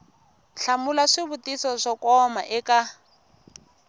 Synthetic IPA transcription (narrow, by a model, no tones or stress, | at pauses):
ɬamulaʂɪβutisɔʂɔkɔma̰ʔɪka